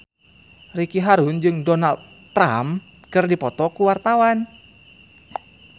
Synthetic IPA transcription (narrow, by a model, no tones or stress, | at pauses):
rikiɦaɾʊnd͡ʒɨŋdɔnald̪̚ | ɾam | kɨrdipɔt̪ɔkuwart̪awan